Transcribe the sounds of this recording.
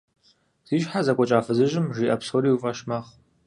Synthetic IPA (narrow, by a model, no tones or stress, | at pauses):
z̥iːʒħazɐkʷʼɔt͡ʃʼaːfɨzɨʒɪmʒiːʔɐpsoɾiːufʼɐʃmaχ